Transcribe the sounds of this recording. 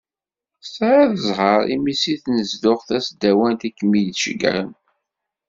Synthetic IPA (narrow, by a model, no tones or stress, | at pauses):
sɾaðəzˤɦəɾˤḭmisiθnəzd̪ʊχθæsd̪æwænt̪ikːmijdʃə̰ɡ̰ɾə̰n